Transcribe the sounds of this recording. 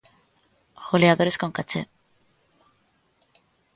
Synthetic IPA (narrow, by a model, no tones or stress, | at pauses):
xoleaðoɾe̞sko̞ŋkat͡ʃe